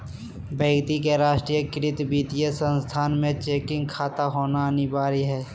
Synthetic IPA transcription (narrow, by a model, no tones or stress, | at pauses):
bə̃ːɡt̪ikeɾaːʃʈɾijəkɪɾɪt̪biːt̪ijesə̃nst̪ʰaːnmẽt͡ʃeːkɪ̃ŋɡ̚kʰaːt̪aɦoːnanibaːɾiɦɛː